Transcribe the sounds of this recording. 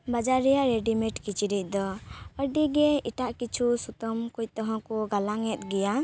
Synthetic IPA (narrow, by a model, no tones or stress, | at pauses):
bad͡ʒaɾɛjaʔɾeɖimɛʈkit͡ʃiɾic̚ˀd̪ɔəɖiɡɛiʈaʔkit͡ʃʰusut̪ɔmkuc̚t̪ɔɦɔ̃kuɡalaŋɛt̪̚ɡɛja